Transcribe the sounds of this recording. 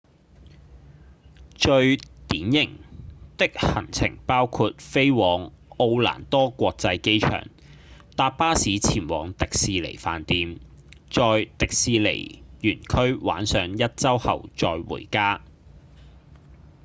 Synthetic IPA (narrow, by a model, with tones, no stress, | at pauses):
t͡ʃɵ˧ɥt̪iː˨˥njɪ˨˩ŋt̪ɪ˥k̚hɐ˨˩ŋt͡sʰɪ̰˨˩ŋpaː˥wkʰuː˧t̚fe˥jwɔː˨˧ŋ | o˧wla̰ː˨˩nt̪ɔː˥kʷɔː˧k̚t͡sɐ˧jke˥jt͡ʃʰœ̰ː˨˩ŋ | t̪aː˧p̚paː˥siː˨˥t͡sʰiː˨˩nwɔ̰ː˨˧ŋt̪ɪ˨k̚siː˨˧lḛ˨˩jfa̰ː˨nt̪iː˧m | t͡ʃɔː˧jt̪ɪ˨k̚siː˨˧lḛ˨˩jjyː˨˩nkʰɵ˥ɥwa̰ː˨˥nsœː˨˧ŋjɐ˥t̚t͡sɐ˥whɐ̰˨wt͡sɔː˧jwṵː˨˩jkaː˥